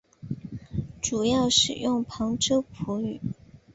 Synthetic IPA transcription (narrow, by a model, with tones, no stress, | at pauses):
ʈ͡ʂu˨˩jɑ˥˩ʊʂɻ̩˨˩jʊ˥˩ŋpʰɑ˧˥ŋʈ͡ʂɤ˥ʊpʰu˧˥y˨˩˦